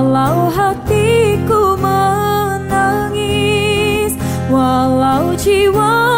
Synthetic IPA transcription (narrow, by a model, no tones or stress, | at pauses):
lauɦat̪ikumə | naŋi | s | walaud͡ʒiwa